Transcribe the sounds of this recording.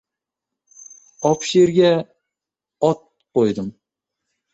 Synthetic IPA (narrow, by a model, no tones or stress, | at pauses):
ɒpʃeɾɡʲa | ɒt̪̚ | qojd̪ɪm